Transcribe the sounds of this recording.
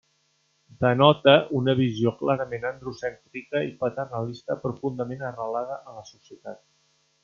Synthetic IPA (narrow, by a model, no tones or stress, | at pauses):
d̪ənɔt̪əʔunəβ̞izjoklaɾəmenənd̪ɾusɛnt̪ɾikəipət̪ərnəlist̪əpɾufund̪əmenərəlað̞əʔələsusijət̪at̪̚